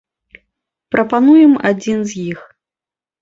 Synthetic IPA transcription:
pɾɐpanujɛma̰d͡zʲinzjix

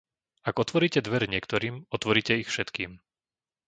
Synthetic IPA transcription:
aɡɔt̪ʋɔɾiːcɛd̪ʋɛɾɲɪɛkt̪ɔɾiːmɔt̪ʋɔɾiːcɛixfʃɛt̪kiːm

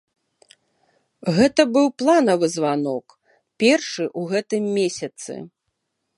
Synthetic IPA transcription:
ɣɛt̪ɐbɨwplˠanɐvɨzvanɔk | pʲɛrʂɨʔuɣɛt̪ɨmːʲesʲɐt̪sɨ̰

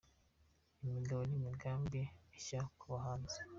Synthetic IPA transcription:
imiɡaβonimiɡaːmbiiçakuβaɦaːnze̥

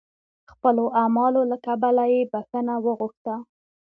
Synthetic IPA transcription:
xpəloʔamɑlolakabalajebaxənawəɣuxt̪a

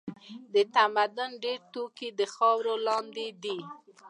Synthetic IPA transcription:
d̪ət̪amad̪ʊnɖeɾt̪okid̪əxɑwɾolɑnd̪ed̪i

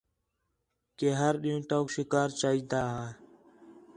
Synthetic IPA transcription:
keːɦəɾɗĩːũːʈoːkʃɪkaːɾt͡ʃaːɦiːd̪aːɦaː

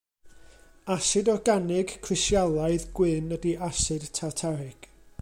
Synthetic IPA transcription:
asɨdɔɡanɪɡkʰrɪsjalˠaɨðɡ̥wɪnədiasɨd̥tʰatʰaɾɪɡ̥

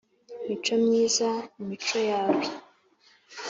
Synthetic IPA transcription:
mit͡ʃo̞mɲiːzamumit͡ʃo̞jaːwi

